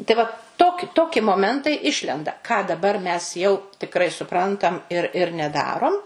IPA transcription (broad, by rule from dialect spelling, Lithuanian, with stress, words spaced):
tɐɪ ˈʋɐ toːk ˈtoːkʲɪ moːˈmʲɛntɐɪ ˈɪʃʲlʲɛndɐ kɑː dɐˈbɐr mʲɛs jɛʊ tʲɪkˈrɐɪ sʊˈprɐntɐm ɪr ɪr nʲɛˈdɑːroːm